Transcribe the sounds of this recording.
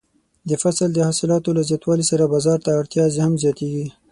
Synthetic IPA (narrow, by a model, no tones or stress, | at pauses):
d̪əfasald̪əhɑsɪlɑt̪olazjɑt̪wɑlisaɾabɑzɑɾt̪aːɾt̪jɑzehamzjɑt̪eɡi